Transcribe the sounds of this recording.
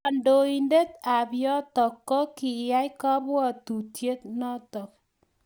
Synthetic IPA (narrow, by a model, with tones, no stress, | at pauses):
a˨ndo˨i˨nde˦t̪a˨bjɔ˦t̪ɔ˨kːɔ˦ki˨ja˦jkɔ˦bɔ˦˨tu˨tje˦t̪̚nɔ˦t̪ɔ˨k̚